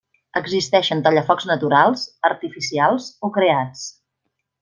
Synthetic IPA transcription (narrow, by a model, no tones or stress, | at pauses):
əɡzist̪ɛʃənt̪əʎəfɔkznət̪uɾalˠzəɾt̪ifisialˠzokɾeat͡s